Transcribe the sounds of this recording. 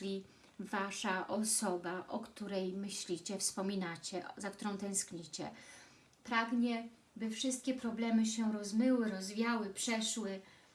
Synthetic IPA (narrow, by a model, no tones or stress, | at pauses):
lʲi | vaʂaʔɔsɔbaʔɔkt̪uɾɛjmɘɕlʲit͡ɕɛfspɔmʲinat͡ɕɛzak̚t̪uɾɔ̃w̃t̪ɛ̃w̃skɲit͡ɕɛ̰ | pɾaɡɲɛ | bɘfʂɘst̪̚kʲɛpɾɔblɛmɘɕɛɾɔzmɘwɘɾɔzvʲjawɘpʂɛʂwɘ